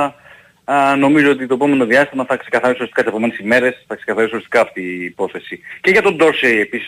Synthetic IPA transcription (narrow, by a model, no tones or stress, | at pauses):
no̞mizo̞o̞t̪it̪oepo̞me̞no̞ðiɐst̪imɐθɐkse̞kɐθɐɾisoɾest̪ikɐt̪seome̞nesime̞ɾe̞sθɐkse̞kɐθɐɾisoɾist̪ikɐːft̪iːpo̞θe̞sice̞ʝɐt̪o̞nd̪o̞ɾsejepisi